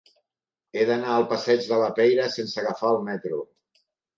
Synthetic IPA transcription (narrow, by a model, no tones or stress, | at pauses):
eðənaəlˠpəsɛd͡ʒðələpɛjɾəsensəɣəfaəlˠmɛt̪ɾu